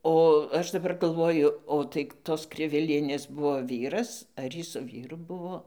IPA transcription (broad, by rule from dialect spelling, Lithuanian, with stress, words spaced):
oː ˈɐʃ dɐˈbɐr ɡɐlˠˈʋoːjʊ oː tɐɪ ˈtoːs ˈkrʲɪʋʲɪlʲiɛnʲeːs ˈbʊʋoː ˈʋʲiːrɐs ɐr ˈjiː sʊ ˈʋʲiːrʊ ˈbʊʋoː